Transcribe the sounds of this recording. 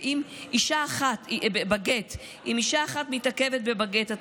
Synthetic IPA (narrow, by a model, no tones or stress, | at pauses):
ʔimʔiʃaːχatbebaɡet | imiʃaːχatmitake̞vet̚be̞baɡeta